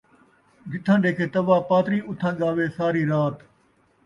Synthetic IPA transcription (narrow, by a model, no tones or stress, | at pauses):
d͡ʒɪt̪ʰãːɗeːkʰeːt̪ɐʋaːpaːt̪ɾiːʔʊt̪ʰãːɠaːʋeːsaːɾiːɾaːt̪